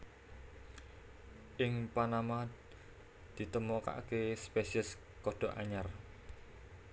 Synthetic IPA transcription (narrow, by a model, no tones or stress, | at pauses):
ʔɪŋpanama | d̪̥i̤t̪əmoka̰ʔkespesiəs | kɔɖ̪̥ɔ̤ʔa̰ɲar